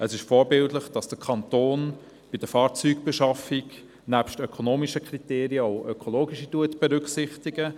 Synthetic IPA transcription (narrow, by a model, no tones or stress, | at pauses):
əsɪʃfɔːɾbɪltləχd̥ɑsd̥əkʰɑntoːn | b̥id̥əfɑːɾt͡syːkb̥ɛʃɑfik | næːpʃtœkʰonoːmiʃəkriteːɾiəɔʊœkʰoloːɡiʃituətb̥ɛɾʏkχsɪχtiɡə